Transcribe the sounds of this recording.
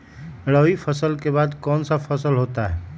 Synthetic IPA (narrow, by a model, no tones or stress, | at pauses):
ɽəːipʰəsəlkebaːd̪kɔːnsapʰəsəlɦoːt̪aɦɛː